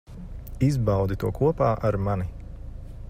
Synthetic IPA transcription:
izbawd̪it̪uɔkʰuɔpaːʔaɾmani

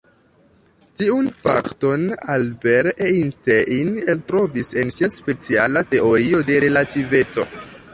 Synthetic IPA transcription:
tiunfa̰kto̞nalbeɾeinsteʔineltɾo̞vise̞nsiaspe̞t͡sialate̞ʔo̞ɾio̞de̞ɾe̞lative̞t͡so̞̰

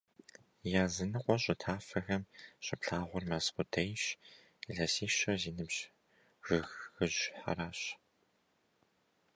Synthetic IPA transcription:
jaːzɨnɨqʷɔɕʼɪtʰaːfɐxɐmɕʼɪpɬaːʁʷʊrmɐsqʷʊdʰɐjɕ | ɮɐsiːɕɐziːnɨbʑ | ʒɨxxɨʑħa̰ɾaːɕ

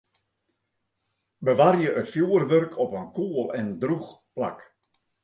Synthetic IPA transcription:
bəʋarjəʔətfjuərʋørkʰɔpənkuəlˠɛndrux | pla̰k

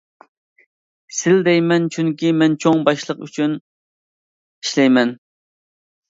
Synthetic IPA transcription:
sɪld̪ɛjmɛnt͡ʃʰyŋkʲimɛnt͡ʃʰoŋbɑʃlˠəqy̰t͡ʃʰyn | iʃlɛjmɛn

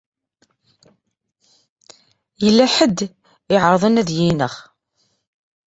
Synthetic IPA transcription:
jəlːæħəd̪ː | ɪʕəɾðˤənæðjinəχ

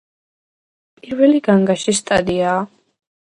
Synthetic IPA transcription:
pʼiɾvɛliɡaŋɡaʃist̪ʼad̪iaː

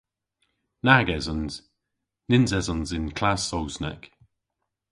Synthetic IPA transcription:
naɡɛzənz̥ | nɪnzɛzənzɪnkʰl̥asowsnɛ̰k

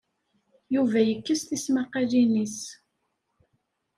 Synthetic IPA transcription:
juvæjəkːəsθismaqælinis

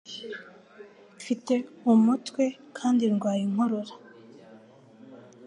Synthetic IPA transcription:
fiteumutkwekʰaːnd̪iɾɡwaːjiŋ̥oɾoɾḁ

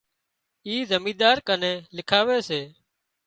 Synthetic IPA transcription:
iːzəmĩːd̪aːɾkənẽːlɪkʰaːʋeːseː

